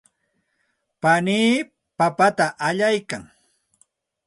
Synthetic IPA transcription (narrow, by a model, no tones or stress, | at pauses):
paniː | papat̪aʔaʎajkaŋ